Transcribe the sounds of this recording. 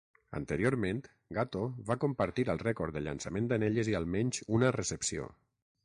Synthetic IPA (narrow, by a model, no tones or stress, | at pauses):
ə̰nt̪əɾioɾmẽnt̪ | ɡat̪oβakompəɾt̪iɾəlˠrɛkoɾd̪əʎa̰nsəmẽnd̪əneʎəzialˠmɛɲzunərəsəpsio̰